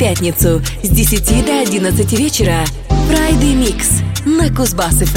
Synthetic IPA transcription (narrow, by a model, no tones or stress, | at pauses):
pʲæt̪ʲnʲɪt̪sʊzʲdʲɪsʲɪtʲid̪ɐɐdʲinət̪sɨtʲɪvʲet͡ɕɪɾə | pɾajd̪ɨjmʲiksnəkʊzbasɨf